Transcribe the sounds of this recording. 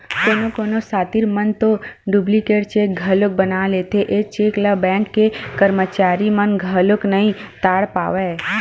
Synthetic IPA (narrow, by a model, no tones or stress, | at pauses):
koːnokoːnosaːt̪iɾmənt̪oɖublikeːɽt͡ʃeːk̚ɡʱəlʊk̚bənaːlet̪ʰeʔeːk̚t͡ʃeːkləbɛ̃ːŋkːekəɾmət͡ʃaːɾimənɡʱəlʊknəɦĩt̪aːɽpa̰ːʋeː